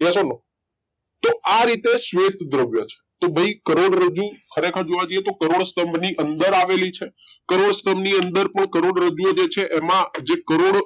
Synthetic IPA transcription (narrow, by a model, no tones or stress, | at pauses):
esono | t̪oʔaɾit̪esʋet̪d̪ɾəʋjət͡ʃʰe̥t̪obʱəikəɾoɽɾəd͡ʒukʰəɾekʰəɾd͡ʒoʋad͡ʒojet̪okəɾoɽst̪əmbniʔənd̪əɾaʋelit͡ʃʰe | kəɾoɽst̪əmniənd̪əɾpəɳkəɾoɽɾəd͡ʒujod͡ʒet͡ʃʰeʔɛmãd͡ʒekəɾoɽ